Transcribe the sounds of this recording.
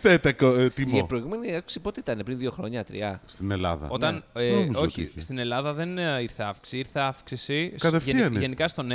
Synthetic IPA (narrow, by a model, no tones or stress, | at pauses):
θet̪ɐkot̪imipɾoiɣume̞niɐku̥ksipot̪eit̪ɐnepɾinðio̞xɾo̞ɲɐt̪ɾḭɐst̪inelɐ̰ðɐ̰ot̪ɐnemizoçist̪ine̞lɐðɐðe̞niɾθeɐfksiiɾθeɐfksisikɐðefʝiɐneʝenikɐst̪o̞n